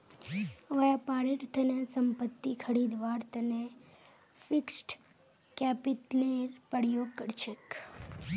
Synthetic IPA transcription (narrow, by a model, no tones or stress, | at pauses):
əʋajapaɾɪɾt̪ʰənesəmpət̪ːikʰəɾid̪ʋaɾt̪əne | fɪksʈ | kɛpɪʈleɾpəɽjokəɾʃek